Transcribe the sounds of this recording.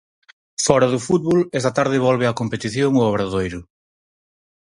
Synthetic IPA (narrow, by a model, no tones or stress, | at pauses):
fɔɾɐðʊfut̪̚βolɛst̪ɐt̪aɾðɪβɔlβeɐkompet̪iθjoŋʊɔβɾɐðojɾʊ